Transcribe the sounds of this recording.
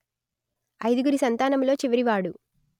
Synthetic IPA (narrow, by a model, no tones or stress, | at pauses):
ɐjd̪uɡuɾisɐnt̪aːnɐmlo̞ːt͡ʃiʋɐɾiʋaːɽu